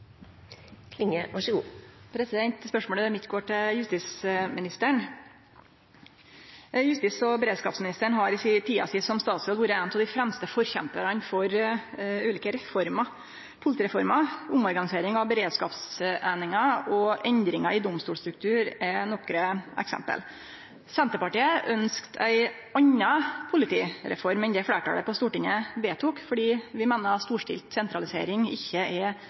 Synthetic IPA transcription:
kʰlɪŋəʋɑʂəɡuːpʰɾɛsɪd̪ɛnt̪spœʂmoːləd̪ɛmɪt̪ːɡoːʈɪljʉst̪ɪsmɪnɪst̪əɳ | jʉst̪ɪsɔbɛɾeːd̪skɑ̰ːpsmɪnɪst̪əɳɦɑɾɪsɪt̪ʰiːɑ̰sɪsɔmst̪ɑːt̪sɔːlʋuːɾəɛːnt̪ʰɑd̪ɪfɾɛmst̪əfɔɾçɛmpəɾɑnfɔɾ | ʉːliːkəɾɛfɔɾmɑ | pʰʊlɪt̪ɪɾɛfɔɾmɑʊmɔɾɡɑnɪseːɾɪŋɑʋbɛɾeːd̪skɑːpsæɪnɪŋɑɔʔɛnd̪ɾɪŋɑɪd̪ʊmst̪uːlst̪ɾʉk̚t̪ʰʉːɾænɔkːɾəʔɛ̰ksɛ̰mpə̰l | sɛnt̪əpɑʈiːəʔœnskt̪ʰæ̰ɪ | ʔɑɲːɑpʰʊlɪt̪ʰiːɾɛ̰fɔɾmɛnd̪ɛfleːʈɑ̰ːlə̰pʰɔst̪uːʈɪɲːəbeːt̪ʰuːkfɔɖiːʋɪmeːnəɾɑt̪st̪uːʂʈɪ̰lt̪sɛnt̪ɾɑlɪsḛːɾɪŋɪçːəɛ

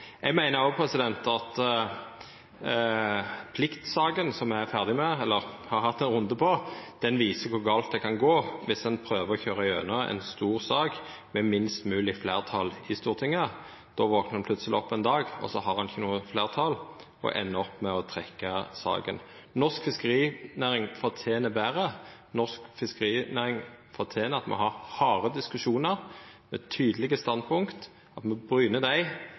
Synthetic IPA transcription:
ɛɡmæɪnəɾɔɡpʰʁɛsɪd̪ɛnt̪ɑt̪ | pʰlɪkt̪sɑːɡənsɔmæfæʁd̪ɪmɛɛlːəʁhɑʁhɑt̪ːɛnʁʊnd̪əpʰɔd̪̥ɛnʋiːsəkʰʊʁɡɑːlt̪̚d̪ɛkʰɑnɡoːʋɪsɛnpʰɾøːʋəʁɔçøːʁɑɪøːnəɛ̰nst̪uːʁsɑːɡ | mɛmɪnst̪mʉːlɪfleːʁt̪ʰɑlɪst̪uːʁt̪ʰɪŋːə | d̪̥ɔʋɔknəʁhɑnpʰlʉt̪səlɪ̰ɔpːɛnd̪ɑːɡɔ̰sɔhɑɾʁhɑnɪçənuːəfleːʁt̪ʰɑl | ɔ̰ʔɛ̰nːəɔpːmɛɔt̪ʰʁɛkːɑsɑ̰ːɡə̰n | nɔskfɪskəʁiːnæːʁɪŋfɔʁt̪ʰeːnəbæːʁənɔskfɪskəʁiːnæʁɪŋfɔt̪ʰeːnəɑt̪mɛ̰hɑʁhɑːʁəd̪ɪskʉʃuːnəʁmɛt̪ʰyːd̪əlɪɡəst̪ɑnd̪̚pʰʊŋkt̪ | ɑt̪mɛbɾyːnəd̪æɪ

